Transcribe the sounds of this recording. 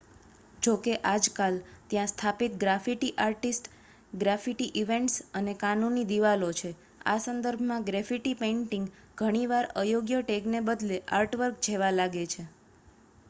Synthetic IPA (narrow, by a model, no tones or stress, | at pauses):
d͡ʒokeʔad͡ʒkalt̪jãst̪ʰapit̪̚ɡɾafiʈiʔaɾʈisʈ | ɡɾafiʈiʔiʋeɳʈsənekanunːid̪iʋalot͡ʃʰe | a̰sənd̪əɾbʱmãɡɾɛfiʈipẽiɳʈiŋɡ | ɡʱəɽ̃iʋaɾəjoɡjəʈeknebəd̪leʔa̰ɾʈʋəɾk̚d͡ʒʰʱeʋalaɡet͡ʃʰe